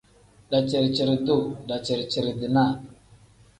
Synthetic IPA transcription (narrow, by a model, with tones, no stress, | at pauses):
ɗa˨t͡ʃe˨ɾt͡ʃe˨ɾdu˦˨ɗa˨t͡ʃe˨ɾt͡ʃə˨ɾdi˨na˦˨